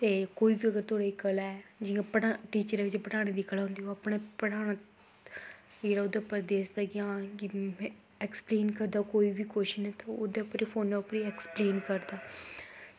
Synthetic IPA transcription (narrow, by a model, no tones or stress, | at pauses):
t̪eːkoːiːbiːəɡəɾt̪ʰoːɽaːikəlaɛd͡ʒɪjãːpəɽaʈiːt͡ʃəɾeʋɪt͡ʃpəɽaːɽ̃ẽːd̪iːkəlãːnd̪iːɦoəpɽeːpəɽaːɽ̃a | d͡ʒeːɽaːʊd̪epəɾd̪eːsd̪aːɡãː | ɛkspleːnkəɾd̪aːkoːiːʋiːkoʃɪʃnɛːt̪ãʊd̪eːʊpɾiːpʰoːnːaʊpəɾiɛːkspleːnkəɾd̪aː